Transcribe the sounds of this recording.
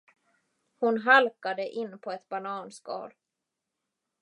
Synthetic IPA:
hʊnɦalkad̪əʔɪnːpʰɔɛt̪banɑːnskɑ̰ːɾ

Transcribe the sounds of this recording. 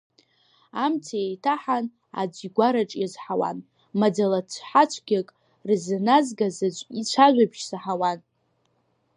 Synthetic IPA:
amtʰaejtʰaħan | a̰d͡ʒʷiɡʷaɾaʈ͡ʂʼjazħawa̰n | mad͡zalat͡ɕʷʰħat͡ʃʷʰɡ̥ʲakʼ | rznazɡazait͡ɕʷʰaʒʷᶣabʃsaħawan

